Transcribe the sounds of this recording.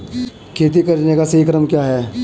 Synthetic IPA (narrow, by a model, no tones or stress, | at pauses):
kʰeːt̪̬ikɐɾnekasɐɦikɾəmkjaːɦɛː